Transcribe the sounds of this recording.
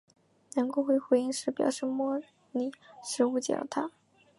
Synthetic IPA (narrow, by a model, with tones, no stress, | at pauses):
nɤ˧˥ŋko˥˧ʊxwe˥˩ɪxwe˧˥ɪi˥˧ŋʂɻ̩˥˩pjɑ̰˨˩ʊʂɻ̩˥˧mwɔ˥ | ni˨˩ʂɻ̩˧˥u˥˩t͡ɕjɑ̰˨˩lt̪ʰa˥